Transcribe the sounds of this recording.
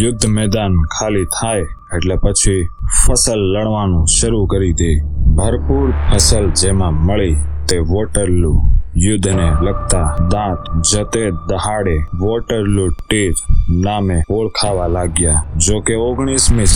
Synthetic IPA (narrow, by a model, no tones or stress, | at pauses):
jʊd̪ʱːmɛːd̪ankʰalit̪ʰaj | eʈlepət͡ʃʰifʰəsəlːəɽʋanũʃəɾukəɾid̪ebʱəɾpuːɾpʰəsəld͡ʒemãməɭit̪eʋoʈəɾlũjʊd̪ʱːneləɡ̚t̪ad̪ãt̪d͡ʒət̪ed̪əɦaɽeʋoʈəɾluʈiɾnaːmẽɦoɭkʰaʋalaɡjad͡ʒokeoɡɳ̃ismĩ